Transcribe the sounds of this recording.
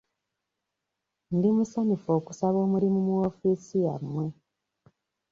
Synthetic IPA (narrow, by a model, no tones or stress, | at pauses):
ndimusanifo̞ːku̥saβo̞ːmuɾimumuofiːsijamwe̞